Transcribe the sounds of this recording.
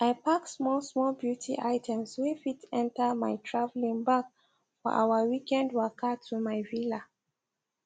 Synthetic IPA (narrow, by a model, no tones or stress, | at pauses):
ʔaɪpaksmɔlˠsmɔlbjutʰḭʔaɪtʰɛ̃mswefitɛ̃ntəmaɪtʰɹavlĩŋbak | fɔ̰ʔa̰wəwikɛ̃ndwakətʰumaɪvila